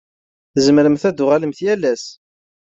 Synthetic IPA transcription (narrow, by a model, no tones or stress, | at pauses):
θəzməɾəmθæd̪ʊʁaləmθjælːæs